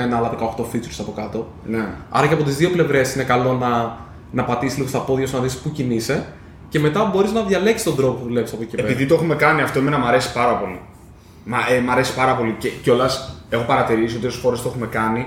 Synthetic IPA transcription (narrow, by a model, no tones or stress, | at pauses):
enɐɐlɐðekɐoxt̪o̞fit͡suɾsɐpo̞kɐt̪o̞ | neɐ̰ɾɐceɐpo̞t̪izðio̞ple̞vɾe̞sine̞kɐlo̞nɐ | nɐpɐt̪isizliɣo̞sθɐpoðiɐsnɐðispucinise̞ | ce̞me̞t̪ɐbo̞ɾiznɐðʝɐleksi̥t̪o̞nd̪ɾo̞popuðule̞pisɐpocepeepiðit̪oexume̞kɐniɐft̪o̞imenɐmɐɾe̞si̥pɐɾɐpo̞li | mɐemɐɾe̞si̥pɐɾɐpo̞liceco̞lɐse̞xopɐɾɐt̪iɾisiot̪iossxo̞ɾest̪oe̞xume̞kɐni